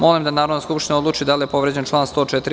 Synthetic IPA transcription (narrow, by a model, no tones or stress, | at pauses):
mo̞limd̪anaːɾod̪naskupʃt̪inao̞d̪lˠuːt͡ʃid̪alijepo̞ʋɾed͡ʑent͡ʃlˠaːnst̪o̞ːt͡ʃɛt̪ɾi